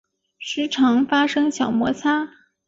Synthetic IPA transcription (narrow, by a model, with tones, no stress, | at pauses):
ʂɻ̩˧˥ʈ͡ʂʰɑ˧˥ŋfa˥ʂɤ˥ŋɕjɑ˨˩ʊmwɔ˧˥t͡sʰa˥